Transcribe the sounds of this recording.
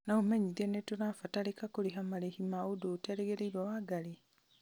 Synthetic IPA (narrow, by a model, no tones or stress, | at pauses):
naumeɲiðenetunafatalekakoleɦamalehimaodoteɾeɡeɾeiβawaɡale